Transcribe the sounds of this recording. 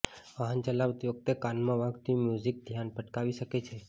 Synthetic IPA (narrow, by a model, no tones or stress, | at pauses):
ʋaɦənt͡ʃəlabt̪iʋək̚t̪ekanmãʋãɡt̪imjuzik̚d̪ʱjanpəʈkaʋiʃəket͡ʃʰe